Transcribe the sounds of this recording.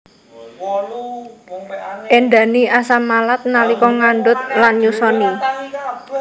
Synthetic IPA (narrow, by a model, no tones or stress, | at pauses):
ʔɛnɖa̤niʔasamalat̪̚nalikɔŋaɳɖʊt̪̚lanɲusɔni